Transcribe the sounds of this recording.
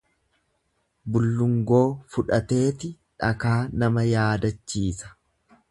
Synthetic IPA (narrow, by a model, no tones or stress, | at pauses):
bʊlːʊŋɡo̞ːfʊᶑɐt̪e̞ːt̪ɪ | ᶑɐkaːnɐmɐjaːd̪ɐt͡ʃːiːsɐ̥